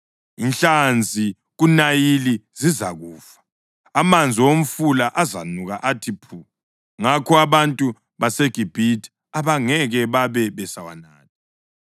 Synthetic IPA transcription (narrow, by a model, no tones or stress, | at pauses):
inɬand͡zʱi | ɣunajiliziza̰ɣuːfḁː | mand͡zʱiwom̩fulaʔaza̰nuɣaʔatʰipʰuː | ŋakʰɔaβantʼu | βaseɡ̥ʱib̥ʱitʰi̥ | aβaŋɛɣɛβaβɛβɛsawa̰naːti